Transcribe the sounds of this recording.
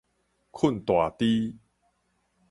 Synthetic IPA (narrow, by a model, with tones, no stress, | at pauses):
kʰu˥˩nt̪wa˨˩t̪i˦